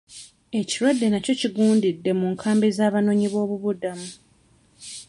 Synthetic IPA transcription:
e̞ciɾwadːe̞naco̞ciɡuːndidːe̞muːŋkʰaːmbezaːβano̞ːɲiβo̞ːβuβudamu

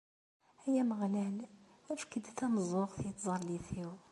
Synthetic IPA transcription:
hæjæməɣlæl | wæfə̥kːəd̪t̪æməzˤʊqθiət̪zˤɑɾˤliθiw

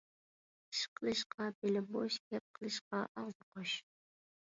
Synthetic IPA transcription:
ʃqəlˠɨʃqʰɑbelɪboʃkʲep̚qʰəlˠɨʃqɑʔɑʁzɨqoʃ

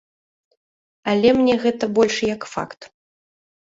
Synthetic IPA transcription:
ɐlʲɛmnʲɛɣɛt̪ɐbɔlʲʂjɐkfa̰kt̪

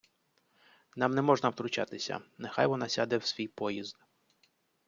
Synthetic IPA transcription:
nɑmnɛmɔʒnɐwt̪ɾʊt͡ʃa̰t̪ɪsʲɐ̰nexa̰jʋɔnɑsʲad̪ɛwsʲʋʲijpɔjizd̪

